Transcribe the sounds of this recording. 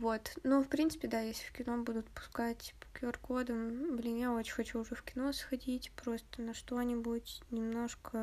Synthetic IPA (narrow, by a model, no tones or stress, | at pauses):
vo̞t̪nufpɾʲint̪sɨ̥pʲɪd̪ajesʲlʲɪfkʲɪno̞bud̪ʊt̪pʊ̥skatʲpʊkʲorkod̪əmblʲɪnʲjaot͡ɕɪxɐt͡ɕuːʐɛfkʲɪno̞sxɐdʲitʲpɾo̞st̪ənɐʂt̪o̞nʲɪbʊtʲnʲɪmno̞ʂkə